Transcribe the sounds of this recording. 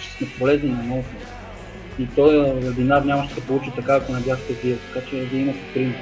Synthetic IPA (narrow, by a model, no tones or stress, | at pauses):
nɛpolɛzninɐmɔt̪o | it̪ɔjɛbinaɾnʲamɐʃɛsɛpolˠut͡ʃit̪ɐkaːkonɐb̪ʲjat̪ɛziət̪ɐ̥kat͡ʃɛd̪iimɐt̪pɾin